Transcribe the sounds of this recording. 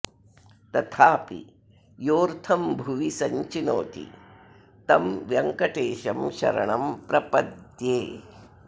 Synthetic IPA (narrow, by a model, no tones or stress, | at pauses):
t̪ɐt̪ʰaːpḭ | joːɾt̪ʰɐmbʱuʋisɐɲt͡ʃino̰ːt̪ḭ | t̪ɐmʋjɐŋkɐʈeːʃɐmʃɐ̰ɾɐ̰ɳɐmpɾɐpɐd̪jeː